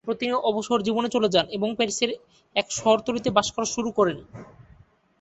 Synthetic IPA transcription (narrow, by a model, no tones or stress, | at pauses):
pɾot̪inioʔɔboʃooɾd͡ʑibonet͡ɕoled͡ʑaneboŋpeɾseɾ | ɛkʃɔɦoɾt̪oɾit̪ebaʃkʰaɾoʃuɾukɔɾeni